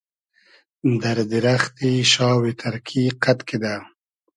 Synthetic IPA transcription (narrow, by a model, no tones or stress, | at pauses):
d̪aɾd̪ɪɾaxt̪iʃɑːwet̪ʰaɾkʰiqat̪ked̪a